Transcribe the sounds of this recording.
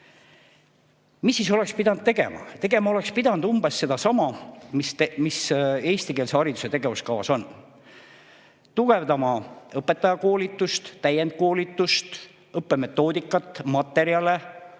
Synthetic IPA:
misːiso̞lekspid̪̥ɑnd̪̚t̪e̞ɡe̞̰mɑ̰t̪e̞ɡ̥e̞mɑo̞le̞kspid̪̥ɑnd̪̥umb̥e̞sːe̞d̪ɑsɑmɑmismise̞ːst̪ike̞ːlseɑɾit̪u̥se̞t̪e̞ɡ̥e̞vuskɑvɑ̰so̞n | t̪uɡ̥e̞vd̪ɑmɑɤpːˑe̞t̪ːˑɑjɑko̞ːlit̪ːˑust̪t̪æje̞nd̪̥̚ko̞ːlit̪ːˑust̪ | ɤpːe̞me̞t̪ːˑo̞ːd̪̥ikˑːɑt̪ˑːmɑt̪ːˑe̞ɾiɑle̞

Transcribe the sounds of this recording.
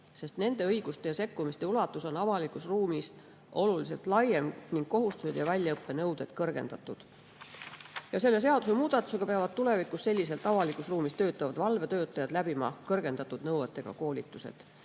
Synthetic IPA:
se̞st̪ne̞nd̪̥e̞ɤiɡ̥ust̪e̞jɑse̞kːumist̪eulɑt̪ːˑuso̞nɑvɑlikusruːmis | ʔo̞lulis̬e̞lt̪lɑjemniŋɡ̥ko̞ɦust̪used̪̥jɑvælʲjɑɤpːe̞nɤwd̪̥e̞d̪̥kɤrɡ̥e̞nd̪̥ɑt̪ːˑud̪̥ | jɑse̞lːe̞s̬e̞ɑd̪̥use̞muːd̪̥ɑt̪ːˑu̥se̞ɡ̥ɑpeɑvɑd̪̥̚t̪ule̞vikˑusse̞lʲːise̞lt̪ːˑɑvɑlikusruːmist̪ø̞ːt̪ːˑɑvɑd̪̥vɑlve̞t̪ø̞ːt̪ːˑɑjɑd̪̥læb̥imɑkɤrɡe̞nd̪ɑt̪ːˑud̪̥nɤwet̪ːˑe̞ɡ̥ɑ̰ko̞ːlʲit̪ːˑuse̞̰d̪̥

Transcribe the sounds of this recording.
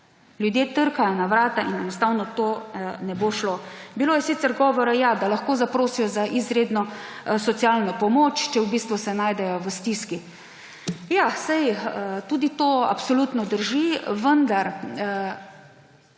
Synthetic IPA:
ljud̪jeːt̪əɾkajɔnaʋɾaːt̪aʔinɛnɔst̪awnɔt̪onɛboːʃlobiloːjɛsit̪sɛɾɡɔːʋɔɾajad̪alaxkoːzapɾoːsijɔzaʔizɾeːd̪nɔsɔt̪sialnɔpɔmoːt͡ʃt͡ʃɛwbist̪ʋusɛnaːjd̪ɛjɔʋəst̪iski | jasajt̪ud̪it̪oːa̰psɔlut̪nɔd̪əɾʒiʋənd̪aɾ

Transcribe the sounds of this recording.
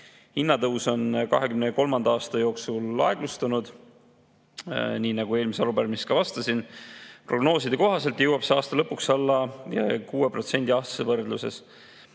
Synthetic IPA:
hinːɑt̪ɤwso̞nkɑ̰ɦe̞kymneko̞lmɑnd̪ɑɑːst̪ɑjo̞ːksulːɑ̰e̞ɡ̥lust̪ɑnud̪̥ | niːnɑɡ̥ue̞ːlmiseɑlubærmist̪kɑvɑst̪ɑsinpro̞ɡno̞ːsid̪̥eko̞ɦɑse̞lt̪jɤwɑpseɑːst̪ɑlɤpːˑuksɑlːɑkuːepro̞t̪se̞nʲd̪ʲiɑsevɤrd̪luse̞̰s

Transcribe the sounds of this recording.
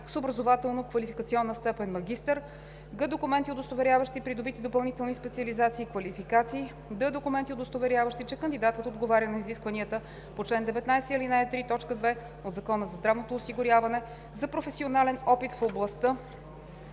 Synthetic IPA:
sobɾəzovat̪ɛlˠnokvɐlifikət̪siɔnːəst̪ɛpɛnmɐɡʲist̪əɾ | ɡəd̪okʊmɛnt̪iod̪ost̪ovɛɾʲjavəʃt̪ipɾid̪obit̪id̪opɐlˠnit̪ɛlˠnispɛt̪siəlizat̪siːkvɐlifikat̪siː | d̪əd̪okʊmɛnt̪iod̪ost̪ovɛɾʲjavəʃt̪it͡ʃɛkənd̪id̪at̪ət̪od̪ɡovaɾʲjənɐiziskvɐniət̪ə | pot͡ʃlɛnd̪ɛvɛt̪najsɛilinajt̪ɾit̪ɔt͡ʃkəd̪vɛ | od̪zɐkɔnəzɐzd̪ɾavnot̪oːsiɡʊɾjavɐnɛ | zɐpɾofɛsionalɛnɔpit̪foblˠɐst̪ə

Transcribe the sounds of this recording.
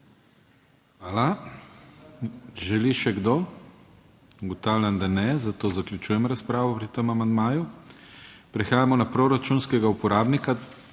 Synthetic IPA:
ala | ʒɛliʃɛɡd̪o | ɡɔt̪awlʲand̪anɛzat̪oːzakljut͡ʃuːjɛmɾaspɾaːʋɔpɾit̪əmamand̪maːju | pɾɛxaːjamɔnapɾoɾat͡ʃunskɛɡaupɔɾaːbnika

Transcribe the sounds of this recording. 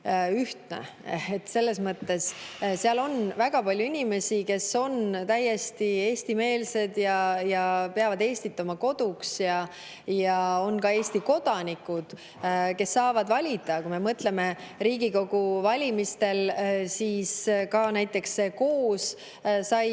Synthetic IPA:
yht̪nḛ | et̪ːse̞lːe̞smɤt̪ːe̞sseɑlo̞nvæɡ̥ɑpɑlʲjuinʲime̞sike̞so̞nt̪æje̞st̪ie̞ːsʲt̪ime̞ːlse̞d̪̥jɑjɑpeɑvɑd̪e̞ːsʲt̪it̪ːˑomɑko̞d̪̥uksjɑ | jɑo̞nkɑe̞ːst̪iko̞d̪̥ɑnikːˑud̪̥ | ke̞sːɑːvɑd̪vɑlʲid̪ɑkume̞mɤt̪le̞me̞riːɡiko̞ɡ̥uvɑlʲimist̪e̞lsiːskɑnæjt̪ːˑe̞ksːeko̞ːs | sɑj

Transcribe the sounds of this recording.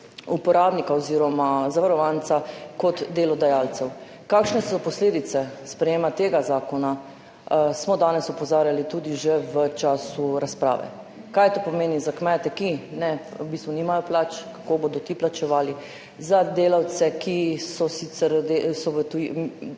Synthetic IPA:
upɔɾaːbnikaɔziːɾɔmazaʋaɾɔʋant̪sakɔt̪d̪eːlɔd̪ajalsɛw | kaːkʃnɛsɔpɔsleːd̪it̪sɛspɾɛjeːmat̪eːɡazaːkɔna | smɔd̪aːnɛsɔpɔzaːɾjalit̪uːd̪iʒɛʋət͡ʃaːsuɾaspɾa̰ːʋɛ̰ | kajt̪opɔmeːnizakmɛt̪ɛkinɛwbiːst̪ʋɔniːmajɔplat͡ʃkḁkobod̪ɔt̪iplat͡ʃɛʋaːli | zad̪eːlawt̪sɛkʰisɔsit̪sɛɾd̪esɔʋət̪u

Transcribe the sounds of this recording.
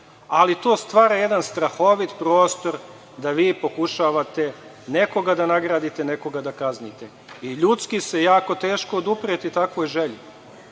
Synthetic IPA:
alit̪oːst̪ʋaːɾajed̪anst̪ɾaxo̞ʋit̪pɾo̞ːst̪o̞ɾ | d̪aʋiːpo̞kuʃaːʋat̪e̞ | ne̞ko̞ɡad̪anaɡɾaːd̪it̪eneko̞ɡad̪akaznit̪e | iʎut̪skisejaːko̞t̪e̞ːʃkood̪upɾet̪it̪akʋojʒeʎu

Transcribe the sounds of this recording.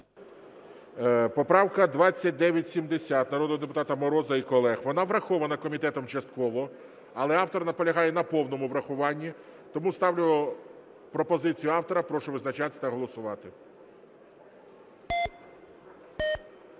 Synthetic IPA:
pɔpɾɑwkɐd̪ʋɑt͡sʲːɐt̚ʲd̪ɛʋʲjɐtʲsʲimd̪esʲat̪nɐɾɔd̪ɔd̪epʊ̥t̪ɑt̪ɐmɔɾɔzɐikɔlˠɛxʋɔnɑʋɾɐxɔʋɐnɐkɔmʲit̪ɛt̪ɔmt͡ʃɐst̪̚kɔʋɔ | ɐlˠɛɑwt̪ɔrnɐpɔlʲɐɦɑjɛnɐpɔwnɔmʊʋɾɐxʊʋɑnʲːi | t̪ɔmust̪ɑwlʲʊlɔ | pɾɔpɔzɪt͡sʲijʊɑwt̪ɔɾɐpɾɔʃʊʋɪznɐt͡ʃat̪ɪ̥t̪ɐɦɔlˠɔsʊʋɑt̪ɪ

